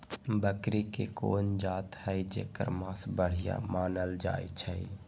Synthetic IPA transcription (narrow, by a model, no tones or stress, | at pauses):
bəkɾikekond͡ʒat̪həjd͡ʒḛkə̰ɾmãsbəɽ̤ija̰maːnəld͡ʒa̰jt͡ʃʰəj